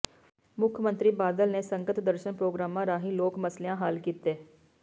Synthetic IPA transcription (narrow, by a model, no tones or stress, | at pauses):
mʊkʰmənt̪ɾiːbaːd̪əlneːsəŋɡət̪d̪əɾʃənpɾoːɡɾaːmãːɾaːɦĩːloːkməslejãːɦaːlkiːt̪eː